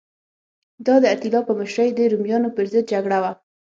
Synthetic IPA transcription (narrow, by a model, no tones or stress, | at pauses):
d̪ɑd̪əat̪ilɑpəməʃɾəjd̪əɾumjɑnopəɾzɪd̪̚d͡ʒaɡɽawa